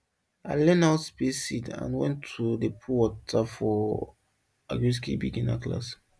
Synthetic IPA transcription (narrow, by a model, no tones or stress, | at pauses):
aɪlɛ̃nawtsbesidã̰nwɛ̰̃ntʰːudepʰuwɔtʰafɔ | a̰ɡis̬kḭbḭɡĩna̰kla̰s